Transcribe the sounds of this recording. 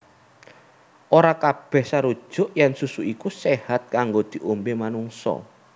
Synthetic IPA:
ʔoɾakab̥ɛ̤hsaɾud̥ʒ̥ʊ̤ʔjɛnsusuʔikusehat̪̚kaŋɡod̪̥i̤ʔombemanuŋsɔ̰

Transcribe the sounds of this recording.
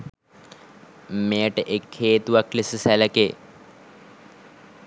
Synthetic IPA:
meːʈʔekʰːeːt̪uʋɐklisɨsɛlɐke

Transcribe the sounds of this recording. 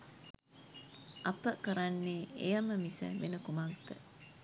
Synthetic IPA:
ʔɐpəkəɾanːeːejəməmisə̰ʋenəkumaɡt̪ə

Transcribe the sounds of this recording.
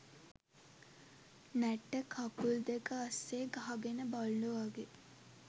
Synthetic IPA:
næʈːəkʰakuld̪ekəasːeːɡaɦaɡenəbalːuʋaɡe

